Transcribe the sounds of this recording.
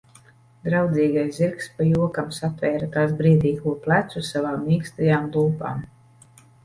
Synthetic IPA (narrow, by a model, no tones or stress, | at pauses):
d̪ɾawd̪ziːɡajsziɾkspajuɔkamsat̪vɛːɾat̪aːsbɾiɛd̪ʲiːkuːplˠæt̪susavaːmːiːkst̪ajaːmlˠuːpa̰ːm